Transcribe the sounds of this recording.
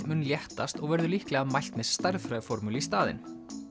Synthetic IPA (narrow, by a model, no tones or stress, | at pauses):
mʏːnljɛht̪ast̪ɔɣvɛɾðʏlihklɛɣamajl̥t̪mɛðst̪ajɾðfɾœfɔɾmylist̪aːðɪ̰n